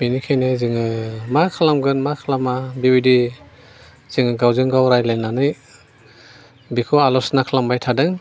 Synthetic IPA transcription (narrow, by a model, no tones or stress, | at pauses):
binikʰajnɯzɯŋɯmakʰalamɡɯnmakʰalamabibidi | z̥ɯŋɯɡawzɯŋɡawɾajlajnanɯj | bikʰualɔsnakʰalambajtʰadɯŋ